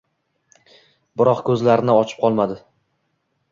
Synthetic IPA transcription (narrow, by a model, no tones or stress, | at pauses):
bɪɾɒqkʰɵzlaɾɪnɪɒt͡ʃʰɪ̥p̚qʰɒlˠmad̪ɪ